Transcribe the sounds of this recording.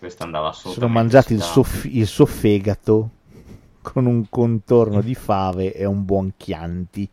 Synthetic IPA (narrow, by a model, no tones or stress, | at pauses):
kwest̪and̪aassoːnomand͡ʒaːt̪ilsofiilsuofɛːɡat̪o | kʰonuŋkont̪ornod̪ifaːveʔeumbwɔŋkʰja̰nt̪i